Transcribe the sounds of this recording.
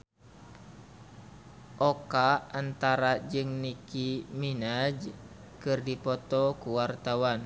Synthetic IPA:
ʔɔkaːnt̪aɾad͡ʒɨŋnikiminad͡ʒ | kɨrdipɔt̪ɔkuwart̪awan

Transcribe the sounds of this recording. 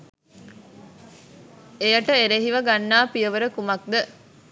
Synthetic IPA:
ejɐʈəeɾeɦiʋɐɡanːaːpijəʋəɾəkumɐk̚d̪ə

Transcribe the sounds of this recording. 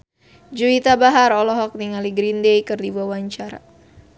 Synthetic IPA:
d͡ʒuit̪abaɦaɾɔlɔɦɔk̚niŋaliɡɾindejkɨrdibuawaɲt͡ʃaɾa̰

